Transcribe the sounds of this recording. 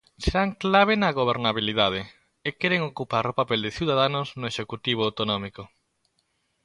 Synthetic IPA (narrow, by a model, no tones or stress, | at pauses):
seɾaŋklaβ̞ɪnaɣoβ̞eɾnaβilið̞að̞ɪ | ɪkɛɾeŋokupaɾopapeld̪ɪθiwðað̞anʊznʊeʃekut̪iβ̞oawt̪onɔmiko